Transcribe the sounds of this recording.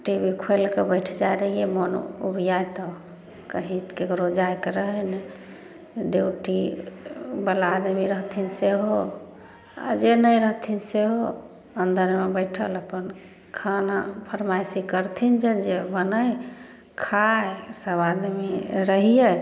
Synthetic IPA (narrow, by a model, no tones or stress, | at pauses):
ʈebikʰoelkebəʈʰd͡ʒajɾəɦijemon̰ṵbʱjajt̪ɔ | kəɦĩkekɾod͡ʒajkeɾəɦəjnɛ | ɖeuʈi | bəlad̪miɾəɦt̪ʰinseɦo | a̰d͡ʒenəjɾəɦt̪ʰinseɦo | ənd̪ʱəɾmebəɪʈʰə̰ləpən | kʰanapʰəɾmajsikəɾt̪ʰind͡ʒed͡ʒebənəj | kʰaesəbad̪miɾəɦije